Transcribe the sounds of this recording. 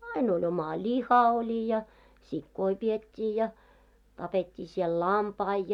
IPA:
ɑin olʲ omɑ lʲihɑ olʲi jɑ sikːoi pietʲːiː jɑ tɑpetʲːiː siɛl lɑmpɑi

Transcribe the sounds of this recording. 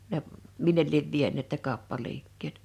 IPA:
ne minːel lieʋ ʋienˑeˑt ne kɑˑopːɑliːkːeːt

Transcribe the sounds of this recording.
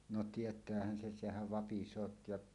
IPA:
no tietˑæːhæn sen̞ sehæʋ ʋɑpisˑoːt jɑʔ

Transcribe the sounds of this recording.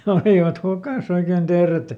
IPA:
jɑ oliˑʋɑt hukɑˑs oiken d̥eːret

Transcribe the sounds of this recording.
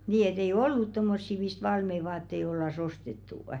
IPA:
niː et ei olːut tomːosːi mist ʋɑlmei ʋɑːtːei olːɑs ostetːuˑə̆

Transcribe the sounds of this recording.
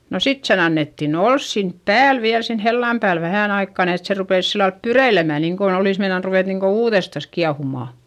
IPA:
no sit sen ɑnːetːin ols sinp pæːl ʋiæl sen helːɑm pæːl ʋæhæˑn ɑikːɑ ni et se rupeˑs silːɑlp pyreilemæ niːŋkon oliˑs meinɑn ruʋeˑt niŋko uːðestɑs kiɑhumɑˑ

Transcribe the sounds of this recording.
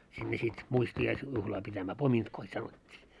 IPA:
sinːe sit muistiɑis juhlɑː pitæmæː pomintkoi sɑnotʲːiː

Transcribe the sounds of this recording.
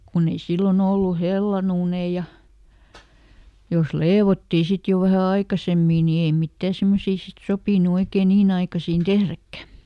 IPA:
kunː ei silːon olːu helːɑn uːnei jɑ jos leːʋotːiː sit jo ʋæhæ ɑikɑsemːiː niː ei mitːæː semːosiː sit sopiˑnu oikeː niːn ɑikɑsiːn tehrækːæ

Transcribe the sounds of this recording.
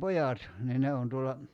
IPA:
pojɑt niː ne on tuolːɑ

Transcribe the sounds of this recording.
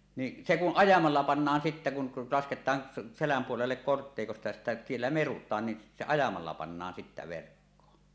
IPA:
ni se kuʔ ʔɑjɑmɑlːɑ pɑnːɑːn sitːæ kun lɑsketˑɑːn selæm puolelːek kortːeˑikostɑ jɑ sitːæ sielːæ merutˑɑːn ni se ɑjɑmɑlːɑ pɑnːɑːn sitːæ ʋerkːoːn

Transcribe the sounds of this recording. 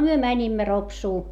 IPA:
myø mænʲimːæ ropsuː

